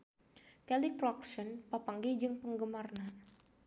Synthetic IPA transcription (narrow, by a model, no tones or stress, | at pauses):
kɛlikɾɔk̚sɔnpapaŋɡed͡ʒɨŋpəŋɡəmarna